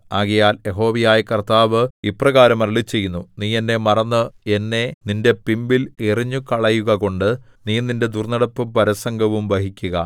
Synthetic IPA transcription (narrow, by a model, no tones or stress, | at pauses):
aːɣijaːlje̞ɦo̞ːʋijaːjɐkɐrt̪aːʋɨiprɐɣaːɾɐmɐrɐlit͡ɕːe̞jːunːuniːe̞nːe̞mɐrɐnːɨe̞nːe̞ninde̞pimbileriɲːukɐɭɐjuɣɐko̞ɳɖɨ | niːninde̞d̪urnɐɽɐpːɨpɐɾɐsɐŋɡɐʋumʋɐɦikʲːuɣɐ